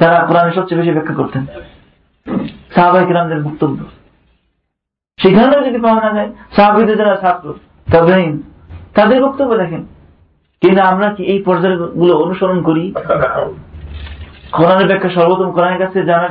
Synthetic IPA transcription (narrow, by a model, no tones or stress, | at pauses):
t̪aɾakoɾaneʃɔbt͡ɕebeʃ̬ibɛkʰːakoɾt̪ʰen | saɦabaekɾamd̪eɾbɔk̚t̪obːo | ʃekʰaɾanad͡ʑod̪ipawanad͡ʑaesaɦabid̪ed͡ʑaɾasap̚ʰkoɾ | t̪ɔben | t̪ad̪eɾbɔk̚t̪obːod̪ɛkʰen | kint̪uamɾakiejpɔɾd͡ʑaɾɡuloonuʃɔɾonkoɾi | koɾaneɾbɛkʰːaʃɔɾbot̪ɔmokoɾaneɾkat͡ɕʰed͡ʑana